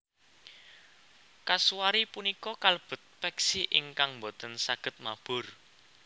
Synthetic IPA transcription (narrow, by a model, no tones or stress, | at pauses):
kasuwaɾipunikɔkaləb̥ə̤t̪̚pɛksiʔɪ̰ŋkaŋmbot̪ənsaɡ̥ə̤t̪̚mab̥ʊ̤r